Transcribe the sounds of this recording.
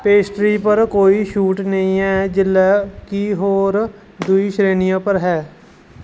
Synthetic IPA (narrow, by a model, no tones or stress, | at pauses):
peːsʈɾiːpəɾkoːiːʃuːʈnəĩːɦɛːd͡ʒɪlːaːkiɦoːɾ | d̪ʊiːʃɾeːnijãːpəɾɦɛː